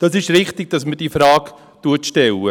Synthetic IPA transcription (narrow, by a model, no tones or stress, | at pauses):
d̥ɑsɪʃɾɪχt̪ɪɡ̚d̥ɑsməd̥ifɾɑːk | tuətʃtɛlːə